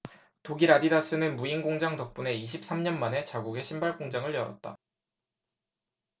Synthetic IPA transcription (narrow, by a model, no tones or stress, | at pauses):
toɡiɾadidas͈ɯnɯnmuinɡoŋd͡ʑaŋtʌk̚p͈une̞iɕ̬ʰip̚s͈amɲʌnmane̞t͡ɕaɡuɡe̞ɕʰimbaɭk͈oŋd͡ʑaŋɯɭjʌɾʌ̰t̚t͈a̰